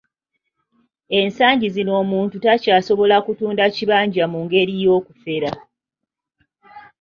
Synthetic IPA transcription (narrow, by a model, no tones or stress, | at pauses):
e̞nsaːɲɟizino̞ːmuːntutacaːso̞βo̞lakutuːndaciβaːɲɟamuŋɡe̞ɾijo̞ːkufe̞ɾa